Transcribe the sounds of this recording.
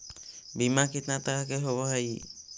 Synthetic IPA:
bimakit̪nat̪aɦakeɦɔβɔɦaj

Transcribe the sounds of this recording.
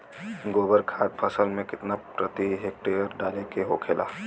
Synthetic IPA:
ɡobəɾkʰat̪̚pʰəsəlmẽkɪt̪napɾət̪iɦek̚ʈejəɾɖalekeɦokʰelʔa̰

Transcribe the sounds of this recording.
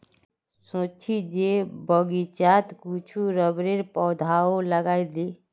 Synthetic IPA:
sot͡ʃʰid͡ʒebəɡit͡ʃat̪kut͡ʃʰuɾəbɾeɾpɔwd̪ʱaoləɡaid̪i

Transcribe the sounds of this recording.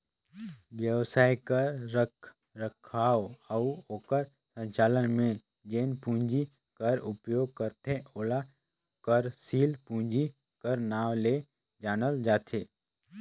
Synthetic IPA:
ʋjəwsaːjkəɾːəkʰ | ɾəkʰaːoəuoːkəɾ | sə̃ɲt͡ʃaːlənmẽ | d͡ʒeːnpũːɲd͡ʒi | kəɾʊpjoːɡ̚kəɾt̪ʰeoːla | kəɾsiːlpũːɲd͡ʒi | kəɾnaːʋle | d͡ʒaːnəld͡ʒaːt̪ʰeː

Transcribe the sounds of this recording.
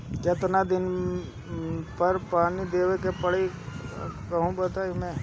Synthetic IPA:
kɪt̪nad̪ɪn | pɐɾpaːnid̪eːʋekepɐɽe | kɐɦũbɐt̪aːimɛ̃ː

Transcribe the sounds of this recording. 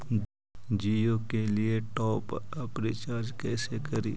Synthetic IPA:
d͡ʒiːjoːkelieʈɔːpəpɾet͡ʃaːɾd͡ʒkɛːsekɐɾḭː

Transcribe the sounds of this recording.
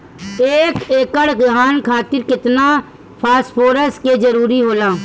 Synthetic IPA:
eːkeːkəɽkɡʱaːnkʰaːt̪ɪɾkɪt̪na | pʰaːsʈpʰoːɾəsked͡ʒəɾuːɾiɦoːlaː

